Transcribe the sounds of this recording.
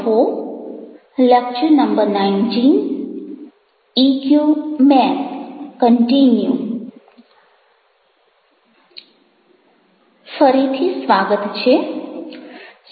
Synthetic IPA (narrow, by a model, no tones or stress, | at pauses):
ɦo | ləkt͡ʃənəmbəɾnaind͡ʒiŋ | ikjumɛnkəɳʈinju | fəɾit̪ʰisʋaɡət̪t͡ʃʰe